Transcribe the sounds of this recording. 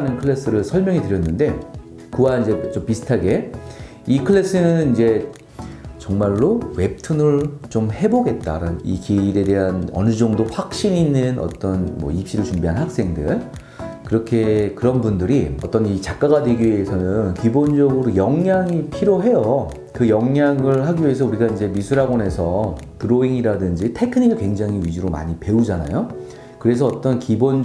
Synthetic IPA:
nɯnkʰɯɭːes͈ɯɾɯɭsʰʌɭmjʌŋitɯɾjʌnːɯnde̞ | kɯwaind͡ʑe̞t͡ɕompisʰɯ̥tʰaɡe̞ | ikʰɯɭːe̞s͈ɯnɯnind͡ʑe̞ | t͡ɕʌŋmaɭːowe̞p̚tʰɯnɯɭt͡ɕomhe̞boɡe̞t̚t͈aɾaḭkiɾe̞de̞ɦanʌ̰nɯd͡ʑʌŋdoɸwak̚ɕ͈iniːnːɯnʌ̰t͈ʌnmʌ̰ip̚ɕ͈iɾɯɭt͡ɕumbiɦanhak̚s͈e̞ŋdɯ̰ɭ | kɯɾʌkʰe̞kɯɾʌnbundɯɾiʌt͈ʌnit͡ɕak͈̚aɣadwe̞ɡiɥiesʰʌnɯnkibond͡ʑʌɡɯɾojʌŋjaŋipʰiɾjoɦe̞jʌ | kɯjʌŋːjaŋɯɭɦaɡiɥie̞s̬ʰʌuɾiɡaind͡ʑe̞misʰuɾaɡone̞sʰʌtɯɾoeŋiɾadɯnd͡ʑitʰe̞kʰɯɲiɡɯɭkwe̞ŋd͡ʑaŋɦiɥid͡ʑiɾoma̰ɲipe̞ud͡ʑana̰jo | kɯɾe̞s̬ʰʌːt͈ʌnkibon

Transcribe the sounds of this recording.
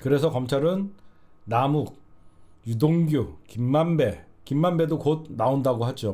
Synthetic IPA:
kɯɾe̞sʰʌkʌmt͡ɕʰaɾɯnnamuk̚judoŋɡjukimːambe̞ | kimːambe̞dokod̚naondaɡoɦad͡ʑo

